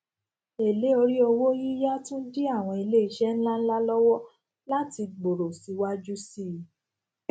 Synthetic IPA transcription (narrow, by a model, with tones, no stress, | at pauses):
e˨le˨˦o˧ɾi˦o˧wo˦ji˦ja˦tũ˦n̩˦di˦a˦˨w̃ɔ̃˧i˧le˦i˧ʃɛ˦n̩˦la˦n̩˦la˦lɔ˦wɔ˦ | la˦ti˧ɡ͡bo˨ɾo˨si˨˦wa˦d͡ʒu˦si˦˨